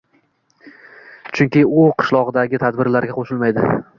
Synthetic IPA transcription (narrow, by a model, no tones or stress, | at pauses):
t͡ʃʰʊŋkʲɪʊqʰɨ̥ʃlˠɒʁɨd̪aɡʲɪt̪ʰad̪bɪɾlaɾɡʲaqʰoʃɪlmajd̪ɪ